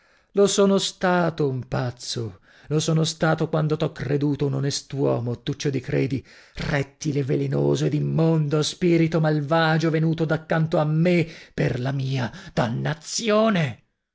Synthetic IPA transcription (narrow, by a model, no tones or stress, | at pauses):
losoːnost̪aːt̪oumpat̪sːo | losoːnost̪aːt̪okwand̪ot̪ɔkːred̪uːt̪ounonest̪wɔːmot̪ːut͡ʃːod̪ikɾeːd̪i | rɛt̪ːilevːelenoːzoed̪imːond̪ospiːɾit̪omalvaːd͡ʒovenuːt̪od̪akːant̪oamːepːerlamiːad̪̥anːat̪sjoːne